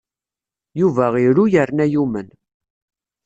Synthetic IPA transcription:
juvæʁiɾujəɾnæjumən

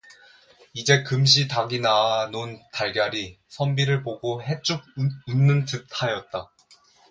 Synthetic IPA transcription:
id͡ʑe̞kɯmɕ̬ʰitaɡinanontaɭɡjaɾi | sʰʌmbiɾɯɭpoɡoɦe̞t͡ɕ͈uɡ̚ɯnːɯntɯtʰajʌt̚t͈a

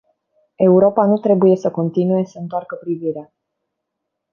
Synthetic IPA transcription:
e̞uɾo̞panut̪ɾe̞buje̞səko̞nt̪inuje̞səɨnt̪oarkəpɾiviɾea

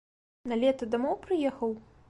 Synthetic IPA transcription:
nɐlʲɛt̪ɐd̪amɔwpɾɨjɛxɐw

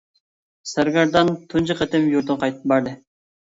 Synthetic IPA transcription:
sæɾɡɑɾd̪ɑnt̪ʰund͡ʒiqʰət̪ɪmjuɾt̪ʊnqʰɑjt̪ɨ̥p̚bɑɾd̪ɪ

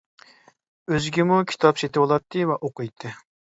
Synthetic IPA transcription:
øzɡʲimukʲʰi̥t̪ʰɑpset̪ɪwolˠɑt̪ʰːɨvɛʔoqʊjt̪ʰːɨ

